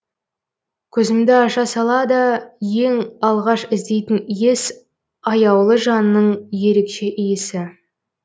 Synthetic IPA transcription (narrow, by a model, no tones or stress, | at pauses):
kʲʰɵzɪmd̪ɪɑʃɑsɑlˠɑd̪əje̞ŋɑlˠʁɑʃɪzd̪e̞jt̪ɪnijes | ɑjɑwlˠəʒɑnəːəɴje̞ɾe̞kʃe̞ʔijɪsɪ